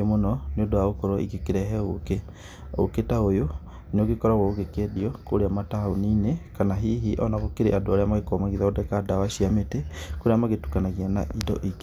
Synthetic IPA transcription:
monɔneodoaokɔɾɔḭɣekeɾɛɦɛoke | o̰ketaojo | neoɣekɔɾaɣɔoɣekediɔkoɾeamataoninekanaɦiːɦiʔɔnaɣokeɾeʔadoaɾeamaɣekɔmaɣiðaodɛkadawaʃiametekoɾeamaɣetukanaɣiana̰ʔidɔ̰ʔike

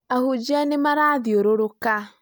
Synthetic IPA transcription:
ahud͡ʒianemaɾadioɾoɾoka

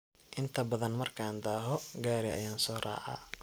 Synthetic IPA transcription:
ʔɪnt̪ʰɐbɐðɐnmɐrkʰaːnd̪aːɦɔɡaːɾɪʔɐ̰jaːnsɔːra̰ːʕa̰

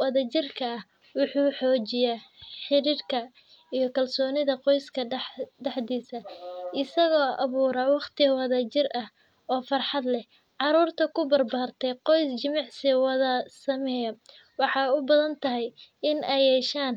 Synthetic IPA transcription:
wɐðɐt͡ʃɪrkʰɐːh | wʊħuːħɔːt͡ʃɪjaːħɪɾiːrkʰɐ | ijɞkʰɐlsɔːnɪðɐqɔjskʰɐɖɛħd̪iːsɐʔɪsɐɣɔːʔɑβuːɾɐwɑqt̪ʰɪɣɐwɑðɐt͡ʃɪrʔɐh | ɔːfɑrħɑd̪lɛ | ʕɑɾuːrt̪ʰɐkʰʊbɐrbaːrt̪ʰɛjqɔjst͡ʃɪmɑʕsɪwɑðɐsɐmɛjɐ | wɑħɑjʊbɐðɐnt̪ʰɐɦɛj | ɪnɛjɛːʃaːn

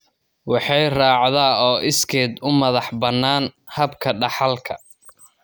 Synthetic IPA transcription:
wɑħɑjrɑːʕðaːɔːʔɪskʰɛːd̪ʊmɐðɑħbɐnːaːnhɐbkʰɐɖɑħɑlkʰɐ̰

